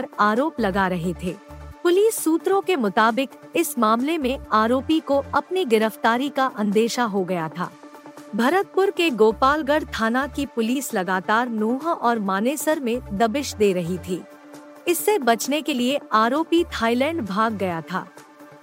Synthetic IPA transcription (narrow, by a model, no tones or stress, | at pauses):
ɐɾaːɾoːplɐɡaɾɐɦet̪ʰeːpʊliːsːuːt̪ɾõkemʊt̪aːbɪkɪsmaːmlemẽaːɾoːpikoɐpniɡɪɾəft̪aːɾikaʔɐ̃nd̪eːʃaɦoɡɐjat̪ʰa̰ːbʱɐɾət̪̚pʊɾkeɡoːpaːlɡəɽt̪ʰaːnakipʊliːslɐɡaːt̪aːɾnoːɦʔɔːɾmaːneːsəɾmẽd̪ɐbɪʃd̪eːɾɐɦit̪ʰiː | ɪsːebɐt͡ʃnekelieaːɾoːpit̪ʰaːilɛ̃ːɳɖbʱaːɡːɐjat̪ʰa̰ː